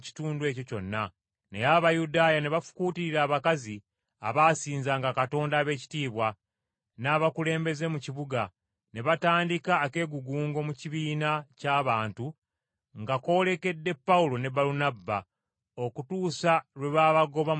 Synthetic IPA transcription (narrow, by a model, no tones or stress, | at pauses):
ci̥tuːndwe̞ːco̞co̞̰nːa | nḛjaβajudaːjane̞βafu̥kuːtiɾiɾaːβakazi | a̰βaːsiːnzaŋɡakato̞ːndaːβe̞ːci̥tiːβwa | naːβakule̞ːmbe̞ze̞muciβuɡa | ne̞βataːndikaːke̞ɡuɡuːŋɡo̞muciβiːnacaːβaːntu | ŋɡako̞le̞ke̞dːe̞pːaulo̞ne̞baɾunabːa | okutuːsaɾwe̞βaβaɡo̞βa